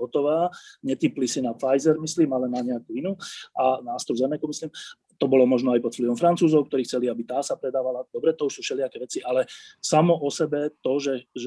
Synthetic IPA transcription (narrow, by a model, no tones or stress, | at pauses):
ɦɔt̪ɔʋaːɲɛt̪iplisinafajzɛɾmisliːmalɛnaɲɛakuinuːanaːst̪ɾuzɛnɛkumisliːm | t̪ɔbɔlɔmɔʒnɔajpɔt̪fliʋɔmfɾant͡suːzɔʊkt̪ɔɾiːxt͡sɛliabit̪aːsapɾɛd̪aːʋalad̪ɔbɾɛt̪ɔusuːʃɛlɪakɛʋɛt͡siʔalɛsamɔʔɔsɛbɛt̪ɔʒɛʒ